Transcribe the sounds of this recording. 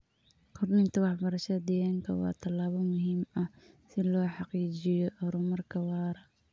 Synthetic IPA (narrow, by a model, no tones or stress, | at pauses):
kʰɔrnɪnt̪ʰɐwɑħbɐɾɐʃɐd̪ɪjaːŋkʰɐ̰wɑ̰ːt̪ʰɐlːaːβɐmʊɦiːmɐ | sɪlɔːħɑqiːt͡ʃɪjɔʔɔɾʊmɐrkʰɐwɑːɾɐ